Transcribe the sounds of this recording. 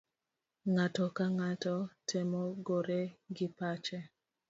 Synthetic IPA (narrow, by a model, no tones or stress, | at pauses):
ŋatɔkaŋatɔtʰɛmɔɡoɾeɡɪpat͡ʃɛ